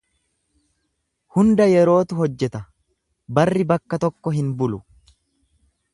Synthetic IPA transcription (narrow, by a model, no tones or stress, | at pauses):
hʊnd̪ɐjɛɾo̞ːt̪ʊɦɔd͡ʒːɛt̪ɐ | bɐrːɪbɐkːɐt̪ɔkːɔɦɪnbʊlʊ